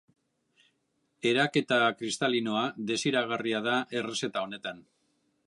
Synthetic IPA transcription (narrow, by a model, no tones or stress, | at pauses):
e̞ɾake̞t̪akɾist̪alino̞aðe̞siɾaɣ̞ariað̞aʔe̞re̞se̞t̪ao̞ne̞t̪an